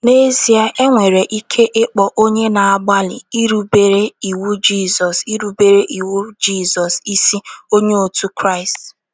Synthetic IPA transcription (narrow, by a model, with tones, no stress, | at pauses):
ne˦zi˨a˦ʔe˦ŋʷe˨ɾe˨ʔi˦kʰe˦ʔe˦k͡pɔ˨ʔo˦ɲe˦na˨a˨ɡ͡ba˦lɪ˨i˦ɾu˦be˨ɾe˦i˨wu˦d͡ʒi˦˨zɔ˨si˦ɾu˦be˨ɾe˦ʔi˨wu˦d͡ʒi˦˨zɔ˨si˦si˦o˦ɲe˦o˨tu˦kɾa˦˨ɪ˨st